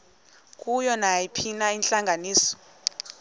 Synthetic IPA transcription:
k̬ʼujɔnajipʰinaint͡ɬʼaŋʱaniːsɔ̥

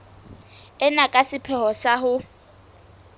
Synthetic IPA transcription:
ɛnakʼasɪpʰɛhɔsaɦʊ

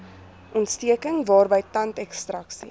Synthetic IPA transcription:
ʔɔntstiəkəŋvɑːrbəjtɐntɛkstrɐksḭ

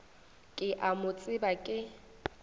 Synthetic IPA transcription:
kʼɪʔamʊt͡sʼɪbakʼɪ

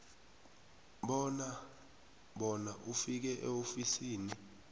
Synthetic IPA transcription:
ɓɔna | ɓɔnaʔufik̬ɛʔɛ̰ofisiːni

